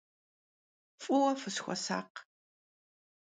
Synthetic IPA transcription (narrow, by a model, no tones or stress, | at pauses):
fʼʊwɐfɨsxʷɔ̰sa̰ːq